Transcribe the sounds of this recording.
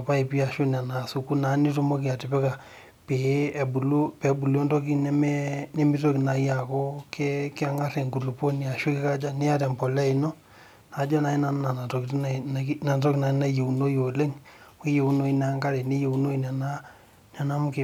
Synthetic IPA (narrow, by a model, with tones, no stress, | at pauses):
pa˦i˨pi˦a˨ʃu˦nɛ˨na˨su˦ku˦na˨˦ni˦tu˦mɔ˦ki˨a˨ti˨pɛ˦ka˨ | pe˨bu˨lu˦pɛ˨bu˨lo˦ntɔ˦k̬i˦nɛ˦mɛ˦ne˦mi˦to˦ki˨na˨˦ja˨ko˦kɛ˦kɪ˦a˨ŋa˦ɾɛ˨ŋɡu˨lu˨po˦ni˨a˨ʃu˦ki˦ka˦d͡ʒa˦ne˦ja˦tɛ˨mpɔ˨lɛ˦i˨nɔ˦ | na˨˦d͡ʒɔ˦na˨i˦na˨n˦na˨na˨to˨kitnna˨ntɔ˦ki˨na˨˦na˦je˨u˨no˦jo˨le˦ŋwe˦je˨u˦no˦i˦n˨a˨˦ŋka˦ɾe˨ne˦je˨u˦no˦i˨nɛ˨na˦ | na˨na˦m˦ke˨